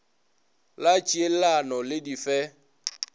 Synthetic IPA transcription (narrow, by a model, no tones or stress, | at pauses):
lat͡ʃielanɔlɪdifɛ